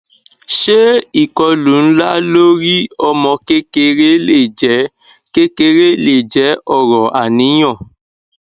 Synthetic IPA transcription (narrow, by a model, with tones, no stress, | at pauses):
ʃe˦i˦˨kɔ˧lu˨n̩˦la˦lo˦ɾi˦ɔ˧mɔ̃˧ke˦ke˧ɾe˦e˦˨d͡ʒ | ke˦ke˧ɾe˦le˨d͡ʒɛ˨˦ɔ˦˨ɾɔ˨ʔa˨nĩ˨˦j̃ɔ̃˦˨